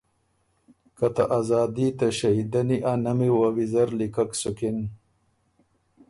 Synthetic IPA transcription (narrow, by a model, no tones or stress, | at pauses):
kɐt̪aʔazɑːd̪it̪ɐʃɐɦid̪ɐniʔanɐmiwawizɐɾlikaksukin